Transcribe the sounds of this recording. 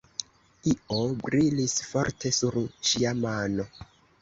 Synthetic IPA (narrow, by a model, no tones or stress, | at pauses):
io̞bɾilisfo̞̰ɾte̞suɾʃiamano̞